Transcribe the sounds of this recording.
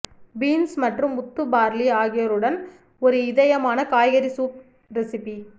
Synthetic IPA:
biːnsmɐʈrɯmʊt̪ːɯbaːɾliaːɣɪjɐɾɯɽɐn | ɔɾɯɪðɐjɐmaːnɐkaːjɣɐɾisuːp̚ | ɾɛsɪpi

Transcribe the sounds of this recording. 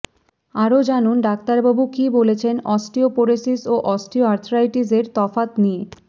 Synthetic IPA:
aɾod͡ʑanunɖak̚t̪aɾbabukibolet͡ɕʰenɔsʈiopoɾesisoʔɔsʈioaɾt̪ʰoɾajʈizeɾt̪ɔfat̪nie

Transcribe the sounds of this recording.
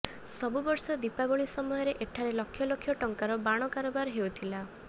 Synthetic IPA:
sɔbubɔɾsɔd̪ipaboɭisɔmɔjɔɾeʔeʈʰaɾelɔkʰːjɔlokʰjɔʈɔŋkaɾɔbaɽ̃ɔkaɾobaɾɦewt̪ʰila

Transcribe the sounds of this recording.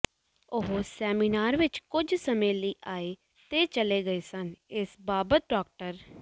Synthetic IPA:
ʊɦosɛːmiːnaːɾʋɪt͡ʃkʊd͡ʒsəmẽːləiːʔaːeː | t̪eːt͡ʃəleːɡəeːsənɪsbaːbət̪̚ɖɔːk̚ʈəɾ

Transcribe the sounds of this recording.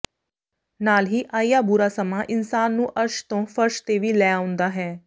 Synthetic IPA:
naːlɦiːʔaːijaːbʊɾaːsəmaːʔɪnsaːnːũːʔəɾʃt̪õːfəɾʃt̪eːʋiːlɛːaːʊ̃nd̪aːɦɛː

